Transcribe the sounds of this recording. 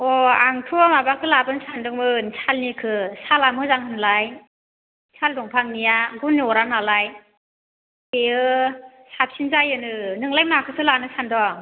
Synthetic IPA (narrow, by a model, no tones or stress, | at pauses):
ɔaŋtʰumabakʰɯlabɯnsandɔŋbɯnsʰalnikʰɯsalamɯzaŋhɯnlaj | sʰaldɔŋpʰaŋnijaɡunːiɔɾanalaj | eɯ | sap̚sinzajɯnɯnɯŋlajmakʰɯsɯlanɯsandɔŋ